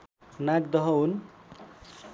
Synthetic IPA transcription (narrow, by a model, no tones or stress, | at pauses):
naɡ̚d̪ʌɦʌun